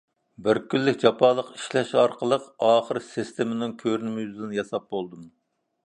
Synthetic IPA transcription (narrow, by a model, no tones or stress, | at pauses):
bɪɾkʲylːɪkʲd͡ʒɑpʰɑlˠəqi̥ʃlɛʃɑɾqʰəlˠəqɑːχəɾsist̪ʰɪmɪnɪŋkʲʰøɾnɪmɪjyzd̪ɪnjɑsɑp̚bolˠd̪um